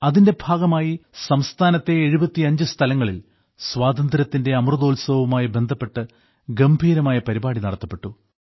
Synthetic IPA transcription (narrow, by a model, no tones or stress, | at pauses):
ɐðinde̞bʱaːɡɐmaːjisɐmst̪ʰaːnɐt̪ːe̞ːɻubɐt̪ːiɐɲd͡ʑɨst̪ʰɐlɐŋːɐɭil | swaːd̪ɐnd̪ɾɐt̪ːinde̞ɐmrɨðoːlsɐʋumaːjibe̞nd̪ʱɐpːe̞ʈːɨ | ɡɐmbʱiːɾɐmaːjɐpɐɾibaːɽinɐɽɐt̪ːɐpːe̞ʈːu